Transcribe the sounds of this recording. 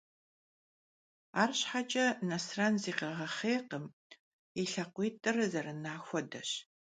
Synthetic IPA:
aːrɕħat͡ʃʼɐnɐsrɐnziːqɐʁɐχeːqəm | iɬɐqʷiːtʼɨrɐzɐɾɨnaːxʷɔdɐ̰ɕ

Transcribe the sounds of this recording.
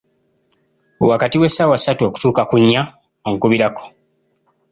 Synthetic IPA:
wakatiwesːaːwasːatuo̞ːku̥tuːkakuɲːa | oŋkuβiɾako̥

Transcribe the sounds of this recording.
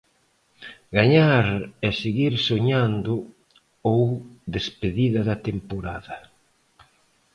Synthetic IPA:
ɡaɲaɾɛseɣiɾsoɲand̪ʊ | owðespeðiðɐðɐt̪empoɾaðɐ

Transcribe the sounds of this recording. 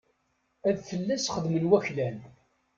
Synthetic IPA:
æðθəlːæsχəðmənwæçlæn

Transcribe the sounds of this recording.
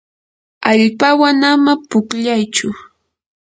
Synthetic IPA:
aʎpawanamapʊkʎajt͡ʃʊ

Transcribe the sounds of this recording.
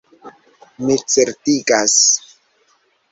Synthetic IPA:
mit͡seɾtiɡas

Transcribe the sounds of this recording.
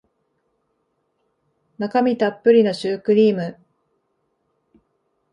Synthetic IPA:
nakamʲit̪apːɯ̟ɾʲino̞ɕɨːkɯ̟ɾʲiːmɯ̟

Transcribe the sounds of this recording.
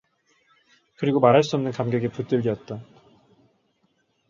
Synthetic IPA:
kɯɾiɡomaɾɦaɭs̬͈uʌmnɯnkamɡeɡeput͈ɯʎːiʌt̚t͈a

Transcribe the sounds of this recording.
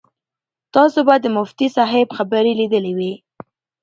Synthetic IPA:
t̪ɑsobad̪ːəmʊft̪isɑɦɪbxabəɾilid̪əliwi

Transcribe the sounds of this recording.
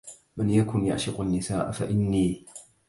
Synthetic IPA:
manjakʊnja̰ʔʃɪqanːɪsaːʔafaʔɪnːiː

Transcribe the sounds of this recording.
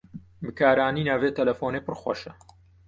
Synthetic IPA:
bɨkʰaːɾaːniːnaːveːt̪ɐlɐfoːnepɨrxwɐ̰ʃɐ

